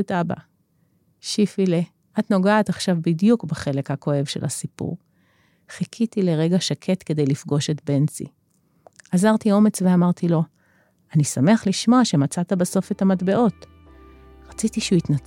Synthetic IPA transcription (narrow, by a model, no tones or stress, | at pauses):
taba̰ | ʃifile | ʔat̪no̞ɡaːt̪aχʃavbidjukbeχe̞le̞khako̞e̞vʃe̞̰lasipṵʁ | χikʰitile̞ʁe̞ɡaʃakʰe̞t̪ke̞d̪e̞jlifɡo̞ʃe̞tbe̞nt͡sḭ | azaʁt̪io̞me̞t͡sveamaʁt̪ilo̞ | anisame̞aχliʃmo̞aʃe̞mat͡sat̪abeso̞fethamatbe̞ʔo̞t | ʁat͡sitiʃuitnat͡s